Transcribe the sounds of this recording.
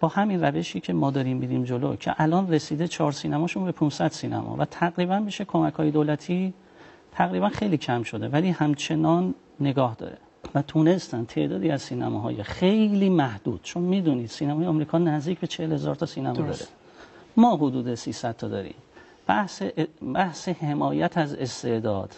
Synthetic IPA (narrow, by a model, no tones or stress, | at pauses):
b̥ɒːhæminræve̞ʃiːcʰe̞mɒːd̪ɒːɾimːiɾiːmd͡ʒolo̰cʰe̞̰ʔælɒːnre̞siːd̪e̞t͡ʃʰɒːɾsiːnæmɒːʃunbe̞pʰũnsæd̪̥siːnæ̰mʔɒ̰væt̪ʰæɣɾiːbænbiʃekʰo̞mækhɒːje̞d̪olæt̪ʰiː | t̪ʰæɣɾiːbænxe̞jliːcʰæmʃo̞d̪e̞væliːhæmt͡ʃʰe̞nɒːnː | e̞ɡɒːhd̪ɒ̰ːɾe̞̰ | væt̪ʰune̞st̪ænt̪ʰe̞̰ʔd̪ɒːd̪iːæzsiːnæ̰mɒ̰ːɦɒ̰ːjexe̞jliːmæhd̪̥ṵːd̪̥t͡ʃʰo̞nmiːd̪uniːd̪̥siːnæmɒːjeɑmɾiːkʰɒːnæzd̪iːcbe̞t͡ʃʰehelhezɒ̰ːɾt̪ʰɒsiːnæmɒɾes | mɒːɦod̪uːd̪esiːsæd̪̥̚t̪ʰːɒːd̪ɒːɾḭːm | b̥æhsebæhsehe̞mɒːjæt̪ʰæze̞st̪e̞ʔd̪ɒ̰ːd̪̥